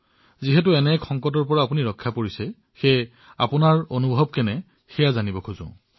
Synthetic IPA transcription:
ziɦɛt̬ʊɛnɛkʰɔŋkɔtɔɹpɔɹaːpuniɹɔkʰːapoɹisɛ | xe | a̰pʊnaɹonubʱɔb̚kɛnɛ | xɛjazanibɔkʰuzʊ̰̃

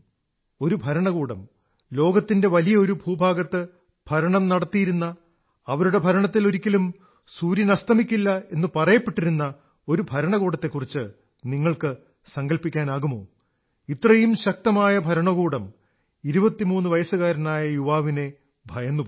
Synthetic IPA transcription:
o̞ɾubʱɐɾɐɳɐɣuːɽɐ̰m | lo̞ːɡɐt̪ːinde̞ʋɐlijɐoɾubʱuːbʱaːɡɐt̪ːɨ | b̥ʱɐɾɐɳɐmnɐɽɐt̪ːijiɾunːɐː | ʋɐɾuɽe̞bʱɐɾɐɳɐt̪ːilo̞ɾikʲːɐlum | suːɾjɐnɐst̪ʰɐmikʲːilːɐe̞nːɨpɐrɐjɐpːe̞ʈːiɾunːɐ | o̞ɾubʱɐɾɐɳɐɣuːɽɐt̪ːe̞kːurit͡ɕːɨ | niŋːɐɭkɨ | sɐŋɡɐlpikʲːaːnaːɣumo̞ː | it̪ːrɐjumɕɐk̚t̪ɐmaːjɐbʱɐɾɐɳɐɣuːɽɐm | iɾubɐt̪ːimuːnːɨʋɐjɐsuɣaːɾɐnaːjɐjuʋaːʋine̞ | bʱɐjɐnːupː

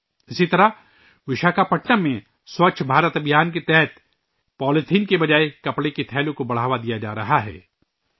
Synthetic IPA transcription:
ɪsit̪ɐɾa | ʋɪʃaːkapɐʈnəmẽ | swɐkt͡ʃʰbʱaːɾət̪ɐbjaːnket̪ɛɦət̪ | pɔːlɪt̪ʰiːnkebɐd͡ʒaːekɐpɽeket̪ʰɛːlõkobɐɽ̤aːʋad̪ijad͡ʒa̰ːɾɐɦaɦɛ̰ː

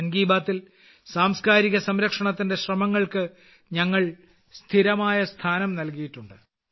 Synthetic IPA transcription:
nɡiːbaːt̪ːil | saːmskaːɾiɣɐsɐmɾɐkʂɐɳɐt̪ːinde̞ɕrɐmɐŋːɐɭkɨ | ɲɐŋːɐɭ | st̪ʰiɾɐmaːjɐst̪ʰaːnɐmnɐlkijiʈːuɳɖɨ

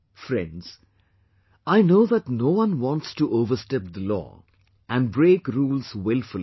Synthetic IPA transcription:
fɾɛ̰̃nɖz̥ | aɪnoʊðəʈnoːwʌ̃nwɑ̃ntstuʔovəstɛp̚d̪əlɔ̰ː | æ̃nbɾeːkɾuːlz̥wɪlˠfəl

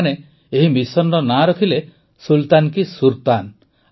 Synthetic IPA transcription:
ne | eɦimisɔnɖɔnaɾɔk̪ʰile | sult̪ankisuɾt̪an

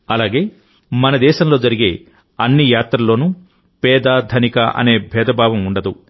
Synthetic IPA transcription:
ɐlaːɡe̞ː | mɐnɐd̪ɛːʃɐmlo̞ːd͡ʒɐɾiɡe̞̰ː | ɐnːijaːt̪ɾɐlo̞ːnu | pɛːd̪aːd̪ʱɐnikɐʔɐ̰ne̞ːbʱɛːd̪ɐbʱaːʋɐmuɳɖɐd̪u

